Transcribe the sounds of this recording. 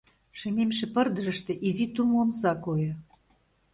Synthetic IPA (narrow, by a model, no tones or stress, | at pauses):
ʃĕmemʃĕpɤ̆rd̪ə̆ʒə̆ʃt̪ĕʔizit̪umonsɑkojɤ